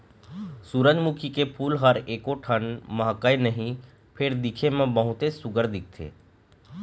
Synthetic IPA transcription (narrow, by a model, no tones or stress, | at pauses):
suːɾə̃d͡ʒmukʰikepʰuːlɦəɾeːkoʈʰənmɐɦkəenəɦĩ | pʰɪɾd̪ɪkʰemẽbəɦʊt̪esʊɡəɾd̪ɪk̚ʰt̪ʰḛː